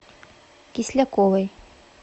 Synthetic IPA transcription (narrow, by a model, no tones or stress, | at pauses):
kislʲækolɤj